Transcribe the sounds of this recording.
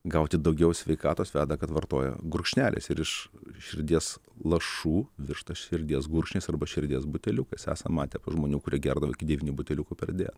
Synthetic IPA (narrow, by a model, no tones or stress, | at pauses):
ɡɐʊt̪ʲɪd̪ɐʊɡʲɛʊsʲʋʲɛɪkɑːt̪oːsʋʲæːd̪ɐkɐt̪ʋɐrt̪o̰ːjɛ̰ɡʊɾʊkʃʲnʲæːlʲʔḛsɪɾɪʃʃʲɪɾʲd̪ʲiɛslˠɐʃuːʋʲɪɾʃt̪ɐʃʲɪɾʲd̪ʲiːs̬ɡʊɾkʃʲnʲeːsɐrbɐʃʲɪɾʲd̪ʲiːsbʊt̪ʲɛlʲʊkɐɪsæ̰ːsɐmɑːt̪ʲɛpɐʒmoːnʲuːkʊɾʲiɛɡʲæːrd̪ɐʋo̰ːɪkʲɪd̪ʲɛʋʲiːnʲɪbʊt̪ʲɛlʲʊkʊpʲɛrd̪ʲḛːt̪